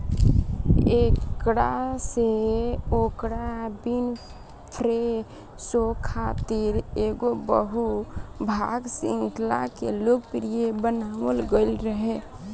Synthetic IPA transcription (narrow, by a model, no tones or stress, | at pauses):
ekkɽaseoːkɽabin | pʰɾe | sokʰat̪iɾeɡobəɦubʱaɡsɪ̰̃ŋkla̰keloɡ̚pɾijebənaːwəlɡəɪlɾəɦe